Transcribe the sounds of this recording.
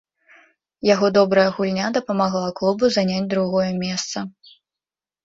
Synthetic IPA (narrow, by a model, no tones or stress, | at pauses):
jaɣɔd̪ɔbɾɐjɐɣulʲnʲad̪ɐpɐmaɣlˠaklˠubuzanʲad͡zʲd̪ɾuɣɔjɐmʲɛst̪sɐ